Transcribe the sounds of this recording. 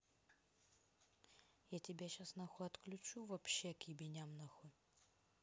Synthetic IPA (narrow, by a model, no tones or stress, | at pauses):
jatʲɪbʲaɕasnɐxoɐt̪klʲʉt͡ɕuvɐpɕːekjɪbʲɪnʲamnɐxɔ